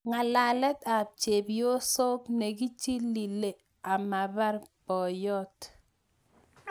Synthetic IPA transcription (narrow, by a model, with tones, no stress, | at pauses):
ŋa˨la˨lɛ˦ta˨p̚t͡ʃe˨bjo˦sɔ˦kne˨ki˦t͡ʃi˦li˨le˨ | a˨ma˨ba˦ɾpɔ˨jɔ˦t